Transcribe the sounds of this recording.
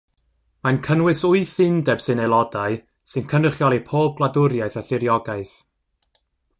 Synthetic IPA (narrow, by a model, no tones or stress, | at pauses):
mankʰənwɨsʊɨθɪndɛb̥sɨnejlˠɔdaɨ | sɨnkʰənəχjɔlˠejpʰoːb̚ɡlˠadʊɾjaɨθaθɪɾjɔɡaɨθ